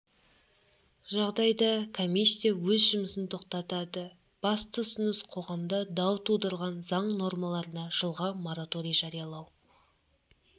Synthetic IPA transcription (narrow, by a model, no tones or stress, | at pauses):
ʒɑʁd̪ɑjd̪ɑkʰo̞mijsʲːijawɵzʒʊməsɪnt̪ʰo̞q̚t̪ɑt̪ɑd̪ə | b̥ɑst̪ʰʊsɪnəsqʰo̞ʁɑmd̪ɑd̪ɑwt̪ʰud̪əɾʁɑnzɑɴno̞rmɑlˠɑɾənɑʒ̥əlˠʁɑmo̞ɾat̪o̞ɾijaʒɑɾijɑlˠɑw